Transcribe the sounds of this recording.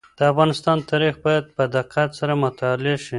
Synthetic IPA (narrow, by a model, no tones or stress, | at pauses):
d̪̥əafɣɑnɪst̪ɑnt̪ʰɑɾixbɑjad̪̚pəd̪ɪqat̪saɾamʊt̪ɑlɪʃi